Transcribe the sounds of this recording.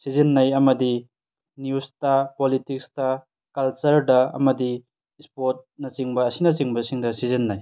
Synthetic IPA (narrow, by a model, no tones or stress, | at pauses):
sizinːɐjɐmɐdi | njustɐpolitikstɐ | kɐlt͡ʃɐɾdɐɐ̰mɐdi | spot̚nɐt͡ʃiŋbɐːsinɐt͡ʃiŋbɐsiŋdɐsizinːɐj